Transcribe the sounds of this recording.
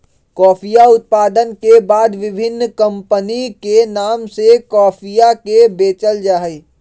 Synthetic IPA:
kɔːpʰijaʊt̪̚paːd̪ənkebaːd̪ʋɪbʱɪnːkə̃mpənikenaːmsekɔːpʰijakebeːt͡ʃəld͡ʒaːɦi

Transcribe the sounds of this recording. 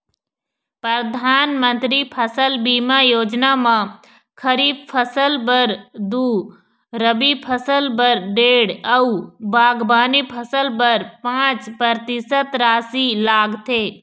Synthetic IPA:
pɾəd̪ʱaːnmə̃nt̪ɾipʰəsəlbiːmajoːd͡ʒnamã | kʰəɾiːbpʰəsəlpəɾd̪uː | ɾəbipʰəsəlbəɾɖeːɽɐubaːɡbaːnipʰəsəlpəɾpãːt͡ʃpɾəɾt̪ɪsət̪ɾaːsilaːɡt̪ʰeː

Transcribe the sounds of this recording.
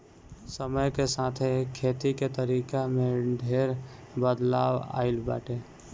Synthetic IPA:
səməjkesaːt̪ʰekʰːeːt̪iket̪əɾiːkamẽɖʱeːɾ | bəd̪la̰ːwa̰ːɪlba̰ːʈeː

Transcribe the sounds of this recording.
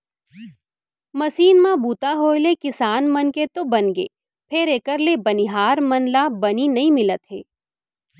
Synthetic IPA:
mɐsiːnmãbuːt̪aɦoːelekɪsaːnmɐnket̪obɐnɡḛː | pʰɪɾeːkəɾlebɐnɪɦaːɾmɐnlabɐninɐɦĩmɪlət̪ɦḛː

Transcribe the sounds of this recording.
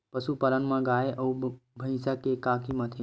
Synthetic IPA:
pəʃupələɳmãɡaeʔəũbʱə̃ĩsakekakimãt̪ʰi

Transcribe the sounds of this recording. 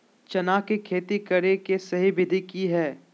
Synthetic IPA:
t͡ʃɐnaːkekʰeːt̪ikɐɾekesɐɦibɪd̪ʱikiɦɛː

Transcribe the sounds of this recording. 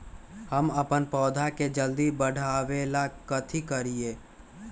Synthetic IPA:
həməpənpɔːd̪ʱaked͡ʒəld̪ibəɽ̤ʱaːʋeːlakət̪ʰikəɾieː

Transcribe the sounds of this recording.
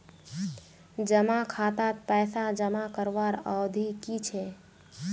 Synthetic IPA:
d͡ʒəmakʰat̪at̪pɛːsad͡ʒəmakəɾʋaɾə̰wd̪ʱikit͡ʃʰɛ

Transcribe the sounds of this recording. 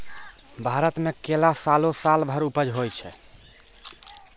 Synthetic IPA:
bʱaɾət̪mekelasalosalbʱəɾupəd͡ʒʱɦojt͡ʃʰɛ̰

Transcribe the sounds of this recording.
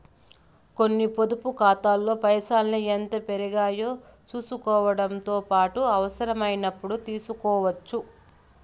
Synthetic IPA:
ko̞nːipo̞d̪upukaːt̪aːlːo̞ːpɐjɐsaːlnient̪ɐpeɾiɡaːjo̞ː | t͡ʃuːsukɔːʋɐɽɐnt̪o̞ːpaːʈuɐʋɐsɐɾɐmɐjnɐpːuɽut̪iːsukɔːʋɐt͡ʃːu

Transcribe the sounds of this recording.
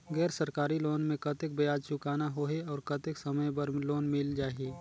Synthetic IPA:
ɡɛːɾsɐɾkaːɾiloːnmẽkɐt̪ɪk̚bəjaːd̪t͡ʃʊkaːnaɦoːɦeɔːɾkɐt̪ɪksɐməjbɐɾloːnmɪld͡ʒaːɦiː

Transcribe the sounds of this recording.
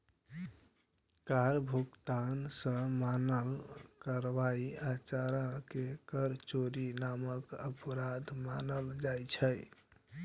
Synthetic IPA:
kaɾbʱukt̪ansə̃manəlkaɾʋaiat͡ʃaɾakekəɾt͡ʃoɾinaməkəpɾad̪manəld͡ʒajt͡ʃʰəj

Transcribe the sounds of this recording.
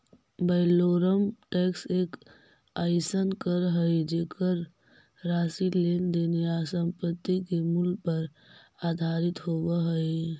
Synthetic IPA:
bəɪloːɾəmʈɛːkseːk | aːɪsənkəɾɦəed͡ʒeːkʰəɾ | ɾaːsileːnd̪eːnejasə̃mpət̪ːikemʊlɡ̚pəɾ | aːd̪ʱaːɾɪt̪ɦoːɡaɦəe

